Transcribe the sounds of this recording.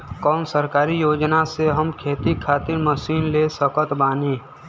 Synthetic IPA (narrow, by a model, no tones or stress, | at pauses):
kɔːnsəɾkaːɾijoːd͡ʒnaseɦəmkʰeːt̪ikʰaːt̪ɪɾməsiːnlesəkət̪baːniː